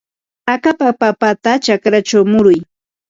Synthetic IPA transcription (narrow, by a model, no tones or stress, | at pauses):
akapapapat̪at͡ʃakɾat͡ʃawmʊɾʊj